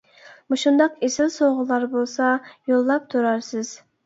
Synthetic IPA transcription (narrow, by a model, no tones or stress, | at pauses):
muʃund̪ɑqesɪlsoʁʊlˠɑɾbolˠsɑjolˠːɑp̚t̪ʰuɾɑɾsɨz̥